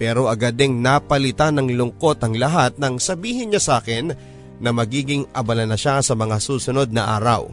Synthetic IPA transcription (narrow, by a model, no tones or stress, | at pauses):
pɛːɾo̞ʔɐɡɐd̪ɛŋnapɐlɪt̪anɐŋlʊŋko̞t̪ɐŋlɐɦat̪̚nɐŋsɐbiːhɪnɲasaːkɪnː | ɐmɐɡiːɡɪŋɐbɐlanɐʃasɐmɐŋasuːsʊno̞d̪̚nɐʔa̰ːɾɐ̰w